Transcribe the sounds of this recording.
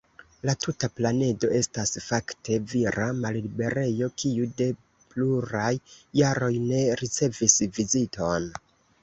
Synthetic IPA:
latutaplane̞do̞e̞stasfaktʰe̞viɾamallibe̞ɾe̞jo̞kʰiude̞ | pluɾajːaɾo̞jne̞ɾit͡se̞visvizitʰo̞n

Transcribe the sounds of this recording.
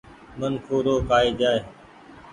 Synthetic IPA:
mənkʰoːɾoːkaːiːd͡ʒaːeː

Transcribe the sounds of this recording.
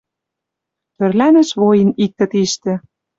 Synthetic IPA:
t̪ø̆rlænɘ̆ʃβojə̆nik̚t̪ə̆t̪iʃt̪ĕɘ̆

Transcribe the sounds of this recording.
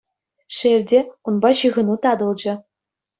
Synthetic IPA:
ʂerʲdʲeunbɑɕɯɣɤ̆nut̪ɑd̪ɤ̆lˠd͡ʑɘ̆

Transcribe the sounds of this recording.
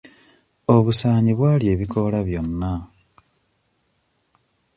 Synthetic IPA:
o̞βusaːɲiβwaːlje̞ːβiko̞laβjo̞nːa

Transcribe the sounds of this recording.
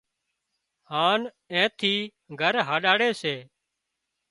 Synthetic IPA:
haːn | ẽːt̪ʰiː | ɡʱəɾɦaːɗaːɽeːseː

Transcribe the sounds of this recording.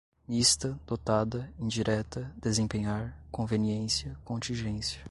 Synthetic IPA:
list̪ɐd̪̥ot̪ad̪ɐẽd͡ʒiɾʔɛt̪ɐd̪ezẽpẽɲaɾkõveniẽsjɐkõnt͡ʃ̪ĩʒẽsjɐ

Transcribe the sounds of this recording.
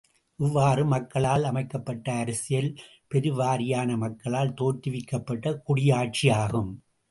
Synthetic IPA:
ʔɪʋːaːɾɯmɐkːɐɭaːlɐmɐɪkːɐpːɐʈːɐːɾɐsɪjɐl | pɛɾɯʋaːɾɪjaːnɐmɐkːɐɭaːlt̪oːt̪ɪʋɪkːɐpːɐʈːɐkʊɽɪjaːʈ̚t͡ʃɪjaːɣɯm

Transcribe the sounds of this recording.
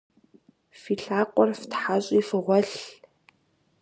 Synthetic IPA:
fiːɬaːqʷʼɔrftħaɕʼiːfɨʁʷɔɬ

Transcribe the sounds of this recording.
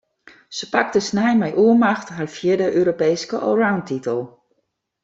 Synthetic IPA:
səpak̚təsnɛjmɛjʔuəmaxtɦarfjɪdəʔøːɾopeːskəʔo̰rawntitəlˠ

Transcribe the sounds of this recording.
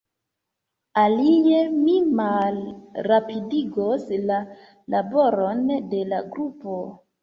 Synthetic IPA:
alijemimalɾapidiɡosla | laboɾo̞nde̞laɡɾupo

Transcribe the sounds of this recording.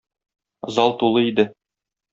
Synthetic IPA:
zɑlˠt̪ulˠɤid̪ɘ

